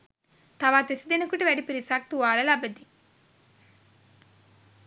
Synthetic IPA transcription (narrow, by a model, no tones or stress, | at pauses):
t̪ɐʋaːt̪esid̪enɐkuʈɐʋæɖipiɾisɐk̚t̪uʋaːlɐlɐbɐd̪i